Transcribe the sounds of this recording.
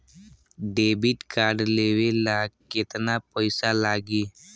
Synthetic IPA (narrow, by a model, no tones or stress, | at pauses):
ɖebiʈkaːɾɖleːʋelaɡ̚kɪt̪napəɪsalaːɡiː